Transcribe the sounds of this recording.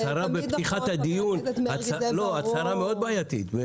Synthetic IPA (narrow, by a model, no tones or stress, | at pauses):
t͡saɾabepiχat̪had̪ijunhat͡salo̞at͡saɾameo̞d̪̚baːjat̪it̪ve